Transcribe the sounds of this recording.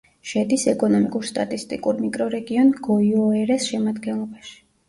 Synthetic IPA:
ʃɛd̪isɛkʼɔnɔmikʼuɾst̪ʼat̪ʼist̪ʼikʼuɾmikʼɾɔɾɛɡiɔnɡɔiɔɛɾɛsʃɛmad̪ɡɛnlˠɔbaʃi̥

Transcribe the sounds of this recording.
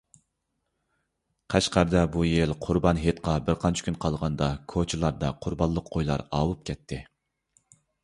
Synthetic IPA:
qʰɛʃqɑɾd̪ɑbujelqʰʊɾbɑnɦet̪qʰɑbɪɾqʰɑnt͡ʃʰi̥kʲʰynqʰɑlˠʁɑnd̪ɑkʰot͡ʃʰilˠɑɾd̪ɑqʰʊɾbɑlˠːəqʰːojlˠɑ̰ɾɑːwup̚kʲʰɛt̪ʰːɪ

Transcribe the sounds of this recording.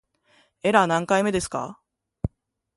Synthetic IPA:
e̞ɾanãŋkaime̞d̪e̞sɨ̥ka̰

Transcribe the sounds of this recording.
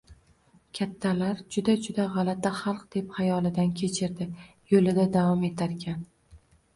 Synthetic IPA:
kʲʰat̪ʰːalaɾd͡ʒʊd̪ad͡ʒʊd̪aʁɑlat̪ʰːaχɑlˠqd̪̥e̞pχajɒlˠɪd̪ankʲʰe̞t͡ʃʰɪɾd̪ɪ | jolɪd̪ad̪avɒme̞t̪ʰaɾkʲʰan

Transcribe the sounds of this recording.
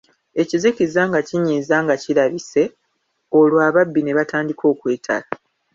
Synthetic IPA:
e̞cizikizaŋɡaciɲiːzaŋɡaciɾaβise̞ | o̞lwaːβabːine̞βataːndikʰo̞ːkwe̞ːtʰa̰la

